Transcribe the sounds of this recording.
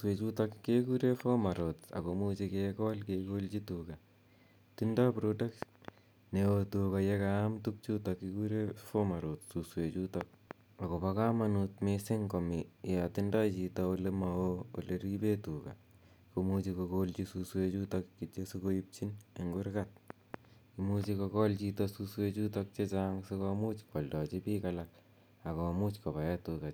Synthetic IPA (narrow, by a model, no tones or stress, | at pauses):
swet͡ʃutakːekuɾefomaɾota̰komut͡ʃikekɔlkekolt͡ʃituka | tindapɾodak̚t | neotukajekamtuk̚t͡ʃutakːikuɾefomaɾotsuswet͡ʃutak̚ | akopakamanutmesɪŋkomijatindɔjt͡ʃitɔolemaoo̰leɾipetuːka̰ | komut͡ʃikokolt͡ʃisuswet͡ʃutɔk̚t͡ʃesekoip̚t͡ʃineŋɡʊɾkat̚ | kimut͡ʃikokɔlt͡ʃitɔsuswet͡ʃutɔk̚t͡ʃet͡ʃaːŋsekɔmut͡ʃkɔldɔt͡ʃipikalak̚ | akɔmut͡ʃkopajɛtuka